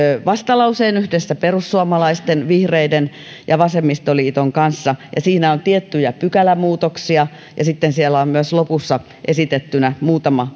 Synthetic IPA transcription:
ʋɑst̪ɑlɑuseːnyhdesːæperusːuɑmɑlɑist̪enʋihreiden | jɑʋɑsemːist̪oliːt̪oŋkɑnsːɑjɑ̰siːnæont̪iet̪ːyjæpykælæmuːt̪oksiɑ | jɑsit̪ːensielæommyøslopusːɑ | ʔesit̪et̪ːynæmuːt̪ɑmɑ

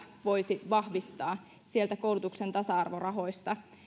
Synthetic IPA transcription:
ʋo̞jsiʋɑhʋist̪ɑː | sie̞lt̪ækowlut̪ukse̞nt̪ɑsɑɑrʋo̞rɑɦo̞jst̪ɑ

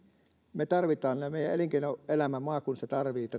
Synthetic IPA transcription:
met̪ɑrʋit̪ˑɑːnmeˑijˑæʔeliŋkeˑinoʔelæmæmoɑːkunset̪ɑrʋiːt̪ːæ

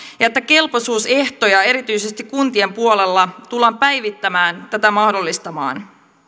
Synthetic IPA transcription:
jɑet̪ːæke̞lposuːse̞ht̪o̞jɑe̞ɾit̪yjse̞st̪ikːunt̪ie̞mpuo̞le̞lːɑt̪ulːɑːmpæjʋit̪ːæmæːnt̪æt̪æmɑhdo̞lːist̪ɑmɑ̰ːn

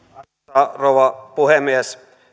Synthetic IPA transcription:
ɑrowʋɑpuhemies

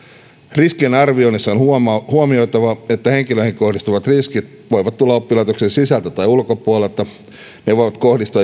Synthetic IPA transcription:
riskienɑrʋionisːɑonhuomio̞jt̪ɑʋɑet̪ːæhe̞ŋkiløihiŋkohdist̪uʋɑt̪riskit̪ | ʋo̞jʋɑt̪t̪ulːɑopːilɑit̪oksensisælt̪æt̪ɑjulkopuolelt̪ɑ | neʋoijʋɑt̪kohdist̪uɑ

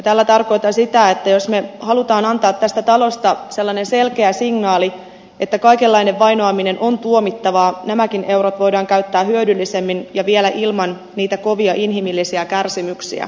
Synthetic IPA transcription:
t̪æːlːæt̪ɑrko̞jt̪ɑnsit̪æet̪ːæjo̞sme̞hɑlut̪ɑːnɑnt̪ɑːt̪t̪ːæst̪æt̪ɑlo̞st̪ɑse̞lːɑnense̞lkeæsiŋnɑːli | et̪ːækɑikelːɑineʋːɑinoɑmine̞nʔont̪uo̞mit̪ːɑʋɑːnæmækinʔe̞wɾot̪ʋo̞jdɑːŋkæyt̪ːæːhyødylːisemːinjɑʋielæʔilmɑn | niːt̪æko̞ʋiɑʔinɦimilːisiækærsimyksḭæ̰

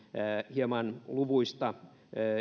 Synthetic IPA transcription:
hiemɑnluʋuist̪ɑ

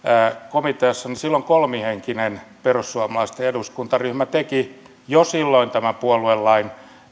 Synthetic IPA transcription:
komit̪eɑsːɑnisilːoŋkolmiheŋkinenperusːuɑmɑlɑist̪eeduskunt̪ɑryhmæt̪eki | josilːoint̪æmæpuoluelːɑin

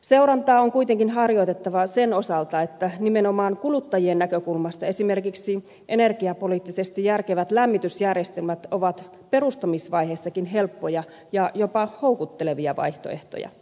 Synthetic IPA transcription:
se̞uɾɑnt̪ɑːoŋkuijt̪eŋkinɦɑrjoit̪et̪ːɑʋɑsenosɑlt̪ɑet̪ːænimenomɑːnkulut̪ːɑjienːækøkulmɑst̪ɑesime̞rkiksi | ʔene̞rkiɑpoliːt̪ːisest̪ijærkeʋæt̪læmːit̪ysjærjest̪elmæt̪oʋɑt̪ | pe̞rust̪ɑmisʋɑjheːsːɑkinɦelpːojɑ | jɑjopɑhoukut̪ːeleʋiɑʋɑ̰iht̪oeht̪o̰jɑ̰

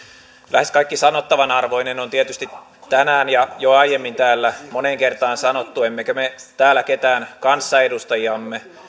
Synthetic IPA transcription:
lʔæ̰heskɑikːisɑnot̪ːɑʋɑnɑrʋoinenont̪iet̪yst̪it | t̪ænæːnjɑjoɑijemːint̪æːlːæmoneŋkert̪ɑːnsɑnot̪ːuemːekømet̪æːlːˑæket̪æːnkɑnsːɑedust̪ɑjiɑmːe

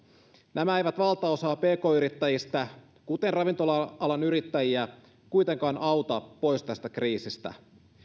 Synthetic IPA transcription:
næmæejʋæt̪ʋɑlt̪ɑo̞sɑːpe̞ːko̞ːyɾit̪ːæjist̪æ | kut̪e̞nrɑʋint̪olɑɑlɑnyɾit̪ːæjiæ | kujt̪e̞ŋkɑːnʔɑwt̪ɑpːo̞jst̪æst̪ækriːsist̪æ̰

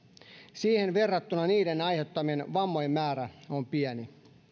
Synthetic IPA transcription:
siːhenʋerːɑt̪ːunɑniːdenɑjhet̪ːɑmienʋɑmːojmːæːɾæompiæni

